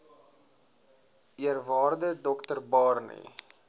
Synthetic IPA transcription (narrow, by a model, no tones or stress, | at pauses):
iərvɑːrdədɔktərbɑːrnḭ